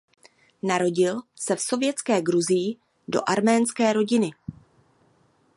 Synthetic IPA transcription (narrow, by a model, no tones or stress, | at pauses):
naɾo̞ɟɪlsɛfso̞vjɛt͡skɛːɡɾuzɪjɪ | do̞̰ʔaɾmɛːnskɛːɾo̞ɟɪnɪ